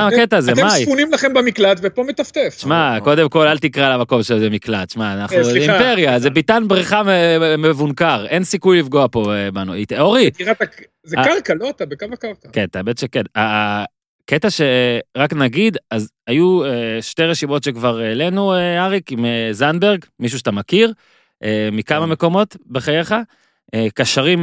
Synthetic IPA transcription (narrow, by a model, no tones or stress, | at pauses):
amaket̪azemasjpunimlaχembamiklat̪vepomet̪aft̪efʃmako̞d̪e̞mko̞lalt̪ikʁalamako̞mʃelzemiklat̪ʃmaːnaχnuimpeʁjazebit̪anbʁiχamemevunkaʁʔe̞nsikujlifɡo̞apo̞ebanuit̪oʁikiʁata | zekaʁkaloat̪abekavakaʁkakent̪abed̪ʃekena | ket̪aʃeʁaknaɡid̪az | ajueʃteʁeʃimo̞tʃekvaʁele̞nueaʁikimezanbeʁɡmiʃ̬uʃatamakiʁ | ʔemikamame̞ko̞mo̞tbeχajeχa | ekaʃaʁim